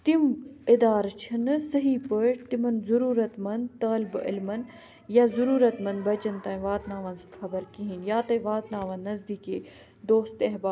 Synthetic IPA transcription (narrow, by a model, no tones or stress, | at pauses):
t̪imɪd̪aːɾt͡ʃʰɐnsɐɦipəʈt̪imɐnzɐɾuːɾɐt̪mɐ̃nd̪t̪ɐːlbɪ̰lmɐn | jaːzuɾuːɾɐt̪mɐ̃nd̪bɐt͡ʃɐnt̪ãːĩʋaːt̪naːʋɐnsxɐbəɾkiɦinjaːt̪ɐ̃ʋaːt̪naːʋɐnːɐzd̪iːkeː | d̪oːst̪eɦbaː